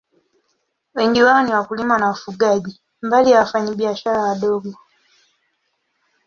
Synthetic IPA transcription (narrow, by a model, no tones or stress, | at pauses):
weɲɟiwaniwakulimanaufuɡaːɟi | mbalijafaɲibjaʃaɾaːdo̞ːɡo